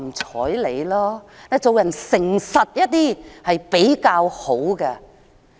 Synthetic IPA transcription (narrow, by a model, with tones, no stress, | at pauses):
t͡sʰɔ̰ː˨˥jle˨˧jlɔː˥nɛː˨˧t͡so˨wjɐ˨˩nsɪ˨˩ŋsɐ˨t̚jɐ˥t̚t̪iː˥hɐ˨jpe˨˥jkaː˧who˨˥wkɐ˧